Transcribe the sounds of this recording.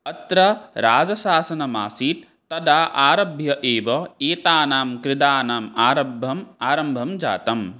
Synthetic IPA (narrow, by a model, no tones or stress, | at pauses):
ɐt̪ɾɐɾaːd͡ʒɐsaːsɐnɐmaːsiːt̪̚ːɐd̪aːʔaːɾɐbʱjɐʔeːʋɐeːt̪aːnaːmkɾɪd̪aːnaːmaːɾɐbʱːɐmaːɾɐmbʱɐmd͡ʒa̰ːt̪ɐm